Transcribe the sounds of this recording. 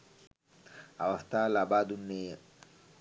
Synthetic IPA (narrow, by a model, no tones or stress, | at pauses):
awast̪alabad̪unːe